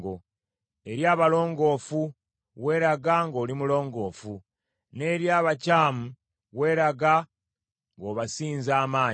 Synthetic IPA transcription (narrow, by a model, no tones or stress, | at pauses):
ɡo̰ | e̞ɾjaːβalo̞ːŋɡo̞ːfu | we̞ːɾaɡaŋɡo̞ːlimulo̞ːŋɡo̞ːfu | ne̞ːɾjaːβacaːmu | we̞ːɾaɡa | ŋɡo̞ːβasiːnzaːmaː